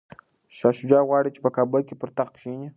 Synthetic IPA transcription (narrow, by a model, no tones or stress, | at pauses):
ʃɑʃʊd͡ʒɑɣwɑɽit͡ʃe̥pəkabəlkʲepəɾt̪aχkʃinʲi